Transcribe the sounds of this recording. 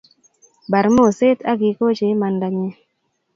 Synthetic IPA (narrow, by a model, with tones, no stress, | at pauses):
ba˨ɾmo˦˨se˦ta˦ɡi˨ko˦t͡ʃe˨˦ma˨nda˨ɲe˦